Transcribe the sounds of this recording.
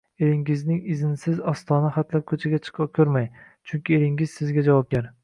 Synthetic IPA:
eɾɪŋɪznɪŋɪzɪnsɪzɒst̪ʰɒnaχat̪lap̚kʰɵt͡ʃʰaɡʲat͡ʃʰɨ̥qʰɨkʰʲɵɾmaj | t͡ʃʰʊŋkʲɪeɾɪŋɪz̥sɪzɡʲad͡ʒavɒp̚ɡʲaɾ

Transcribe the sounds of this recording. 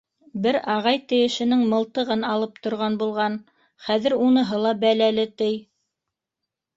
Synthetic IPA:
bɘɾɑʁɑjt̪ɘ̆jɘ̆ʃɘ̆nɘŋmɤ̆lˠt̪ɤ̆ʁɤnɑlˠɤp̚t̪ŏɾʁɑnbulˠʁɑn | χæðɘ̆ɾunɤ̆ɦɤlˠɑbælælɘt̪ɘj

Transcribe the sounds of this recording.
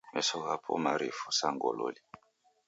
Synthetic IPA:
mɛsɔɣapʰɔmaɾifusaŋɡɔlɔli

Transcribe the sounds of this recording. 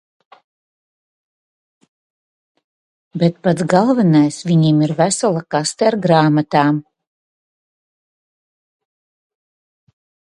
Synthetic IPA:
bʲɛt̪̚pat̪sɡalˠvanajsvʲiɲimiɾvæsalˠakast̪ɛaɾɡɾaːmat̪aːm

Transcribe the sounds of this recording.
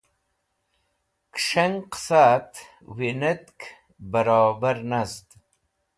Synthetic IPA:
kʂaŋqsat̪ | winət̪k | bəɾɑːbaɾnazt̪

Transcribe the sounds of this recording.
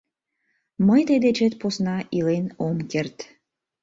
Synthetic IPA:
məjt̪ed̪et͡ɕet̪̚posnɑʔilenomkert̪

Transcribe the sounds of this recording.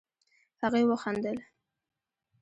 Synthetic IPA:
haɣejwəxand̪əl

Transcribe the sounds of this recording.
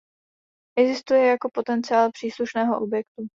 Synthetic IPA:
ʔɛɡzɪst̪ujɛjako̞po̞t̪ɛnt͡sɪaːlpr̥iːsluʃnɛːɦo̞ʔo̞bjɛkt̪u

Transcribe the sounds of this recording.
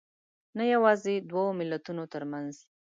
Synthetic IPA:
najawɑzed̪wawomɪlat̪unot̪əɾmanz

